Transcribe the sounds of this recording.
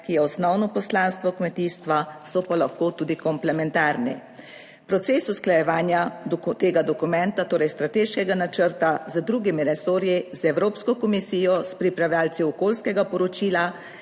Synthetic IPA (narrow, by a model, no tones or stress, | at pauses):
kijɛɔsnɔwnɔpɔslanst̪ʋɔkmɛt̪iːst̪ʋasɔpalaxkoːt̪uːd̪ikɔmplɛmɛnt̪aɾnɛ̰ | pɾɔt̪sesusklajɛʋaːnjat̪eːɡad̪ɔkumɛnt̪at̪oːɾɛjst̪ɾat̪eːʃkɛɡanat͡ʃəɾt̪azəd̪ɾuːɡimiɾɛsoːɾjizɛwɾoːpskɔkɔmisiːjɔspɾipɾawljaːlsiɔkoːlskɛɡapɔɾɔt͡ʃiːla